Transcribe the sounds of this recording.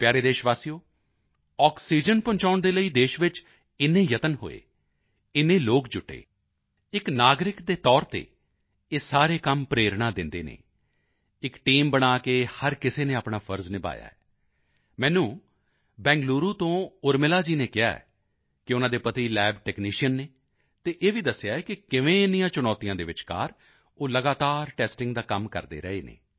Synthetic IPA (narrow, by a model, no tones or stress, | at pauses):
pjaːɾeːd̪eːʃʋaːsijoː | ɔːksiːd͡ʒənpʊ̃ɲt͡ʃaːʊɳd̪eːləiːd̪eːʃʋɪt͡ʃ | ɪnːẽːjət̪ənɦo̰ːḛː | ɪnːẽːloːkd͡ʒʊʈːḛː | ɪknaːɡɾɪkd̪eːt̪ɔːɾt̪ḛː | eːsaːɾeːkəmpɾeːɾɳaːd̪ɪ̃nd̪eːnḛː | ɪkʈiːmbəɽ̃aːkeːhəɾkɪseːneːaːpɳaːpʰəɾznɪba̰ːja̰ːɛː | mɛ̃ːnũː | bɛ̃ːŋɡluːɾuːt̪õːʊɾmɪlaːd͡ʒiːneːkɪja̰ːɛ̰ | kɪʊnãːd̪eːpət̪iːlɛːbʈɛːkniːʃijənːeː | t̪eːʔeːʋiːd̪əsɪjaːɛːkɪkɪʋẽːɪnːɪjãːt͡ʃʊnɔːt̪ijãːd̪eːʋɪt͡ʃka̰ːɾ | oːləɡaːt̪aːɾʈɛːsʈɪŋɡd̪aːkəmkə̰ɾd̪ḛːɾə̰eːnḛː